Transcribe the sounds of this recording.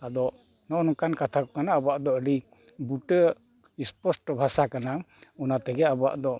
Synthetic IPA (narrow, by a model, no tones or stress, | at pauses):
ad̪ɔ | nɔnɔkankat̪ʰakɔkanaəbɔaʔd̪ɔəɖi | buʈə | ispɔsʈbʱasakanaɔnat̪ɛɡɛabɔa̰ʔd̪ɔʔ